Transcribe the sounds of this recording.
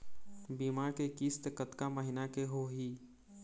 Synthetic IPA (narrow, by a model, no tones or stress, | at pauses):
biːmaːɾkekist̪əkət̪kaməɦɪnakeɦoɦiː